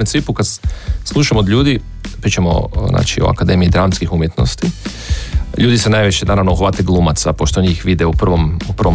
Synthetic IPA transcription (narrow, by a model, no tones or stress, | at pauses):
et̪sʋipukad̪slˠuʃamod̪lʎʲuːd̪i | pɾiːt͡ʃemo̰na̰ːt͡ʃio̰a̰kad̪e̞miid̪ɾanskixumjet̪no̞̰st̪i | ʎuːd̪isenajʋiʃenaɾaʋnouxʋat̪eɡlˠuːmat̪sapoʃt̪oɲixʋid̪ɛupr̩ʋomuprɾʋo